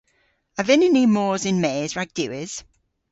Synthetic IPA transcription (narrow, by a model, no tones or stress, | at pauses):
əvɪnɪniːmɔːzɪnmeːzɹaɡ̚d̥ʉwɪz̥